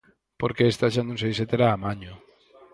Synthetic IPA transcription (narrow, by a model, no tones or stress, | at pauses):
poɾkeest̪aʃand̪uns̬ejset̪eɾaːmaɲo